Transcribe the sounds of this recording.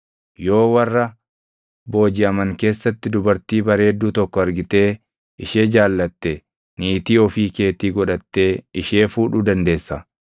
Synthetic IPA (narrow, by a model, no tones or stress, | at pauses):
jo̞ːwɐrːɐ | bo̞ːd͡ʒɪɐmɐŋke̞ːsːɐt̪ːɪd̪ʊbɐɾt̪iːbɐɾe̞ːd̪ːuːt̪ɔkːɔɐɾɡɪt̪e̞ː | ɪʃe̞ːd͡ʒaːlːɐt̪ːe | niːt̪iːɔfiːke̞ːt̪iːɡɔᶑɐt̪ːe̞ːɪʃe̞ːfuːᶑuːd̪ɐnd̪e̞ːsːɐ